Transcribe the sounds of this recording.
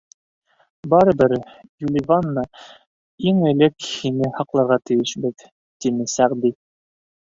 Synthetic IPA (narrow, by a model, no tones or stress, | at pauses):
bɑɾɤ̆bɘɾ | julʲɪvanːɑ | iŋɘ̆lɘkhinɘhɑqlˠɑɾʁɑt̪ɘ̆jɘʃbɘð | t̪inɘsæʁd̪i